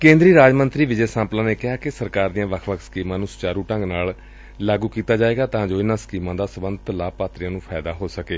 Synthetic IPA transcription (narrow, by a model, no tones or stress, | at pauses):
kẽːnd̪ɾiːɾaːd͡ʒmənt̪ɾiːʋɪd͡ʒeːsãːmplãːneːkɪɦaːkɪsəɾkaːɾd̪ijãːʋəkʰʋəkʰsə̥kiːmãːnũːsʊ̥t͡ʃaːɾuːʈə̃ŋɡnaːl | laːɡuːkiːt̪aːd͡ʒaːeːɡaːt̪ãːd͡ʒoːɪnãːsə̥kiːmãːd̪aːsəbənd̪ət̪laːpaːt̪ɾɪjãːnũːpʰɛːd̪aːɦoːsəkeː